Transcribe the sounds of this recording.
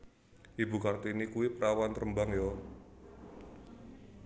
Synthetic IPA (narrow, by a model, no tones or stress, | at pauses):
ʔibṳkart̪inikuwipəɾawant̪ɾəmbaŋjo